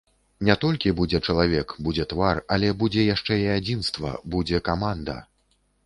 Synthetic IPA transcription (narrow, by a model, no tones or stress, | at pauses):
nʲɛt̪ɔlʲkʲibud͡zʲɛt͡ʂɐlˠavʲɛkbud͡zʲɛt̪varalʲɛbud͡zʲɛjaʂt͡ʂɛiad͡zʲinst̪vɐ̰bud͡zʲɛkamand̪ɐ̰